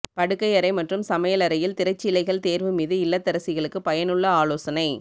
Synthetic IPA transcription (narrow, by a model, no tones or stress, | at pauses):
pɐɽɯkːɐɪɐɾɐɪmɐʈrɯmsɐmɐjɐlɐɾɐjɪlt̪ɪɾɐt͡ʃːɪlɐɪɣɐɭt̪eːɾʋɯmiːðɯɪlːɐt̪ːɪɾɐsɪɣɐɭɯkːɯpɐjɐnɯɭːɐaːloːsɐnɐɪ